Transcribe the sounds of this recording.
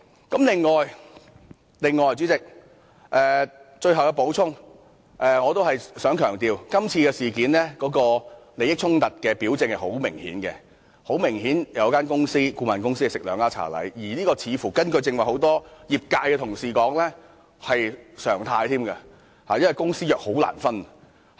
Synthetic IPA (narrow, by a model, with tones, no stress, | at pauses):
kɐ˨˥mlɪ˨ŋːɔː˨j | lɪ˨ŋːɔː˨jt͡ɕt͡syː˨˥t͡sɪ˨k̚ | ʔɛː˨t͡ʃɵ˧ɥhɐ˨˩wkɛ˧po˨˥wt͡sʰʊ˥ŋ | ʔɛː˨ŋɔː˨˧t̪o˥whɐ˨jsœː˨˥ŋkʰœː˨˩ŋt̪iː˨wkɐ˥mt͡sʰiː˧kɛː˧siː˨˩kiː˨˥nlɛː˥kɔː˨˥kɔː˧le˨˧jɪ˥k̚t͡sʰʊ˥ŋt̪ɐ˨t̚kɛː˧piː˨˥wt͡sɪ˧ŋhɐ˨jho˨˥wmɪ˨˩ŋhḭː˨˥nkɛ̰˧ | ho˨˥wmɪ˨˩ŋɦiː˨˥njɐ˨˧wkaː˥nkʊ˥ŋsiː˥kuː˧maː˨nkʊ˥ŋsiː˥kɛ˨˩sɪ˨k̚lœː˨˧ŋaː˥t͡sʰa̰ː˨˩lɐ̰˨˥jjiː˨˩niː˥kɔː˧t͡sʰiː˨˧fuː˨˩kɐ˥nkɵ˧ɥt͡sɪ˧ŋwɐ˨˩jho˨˥wt̪ɔː˥jiː˨p̚kaː˧jkɛː˧t̪ʰʊ˨˩ŋsiː˨kɔː˨˥ŋlɛː˥ | hɐ˨jsœː˨˩ŋt̪ʰaː˧jt̪ʰiː˥mɡa˧ | haː˨jɐ˥wɐ˨jkʊ˥ŋsiː˥jœː˨k̚ho˨˥wla̰ː˨˩nfɐ˥n